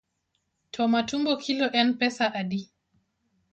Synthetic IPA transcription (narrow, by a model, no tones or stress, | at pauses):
tʰɔmatumbɔkʰilɔʔɛnpɛsaʔaɗi